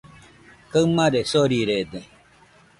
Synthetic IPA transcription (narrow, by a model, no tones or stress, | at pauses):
kamãɾesoɾiɾed̪e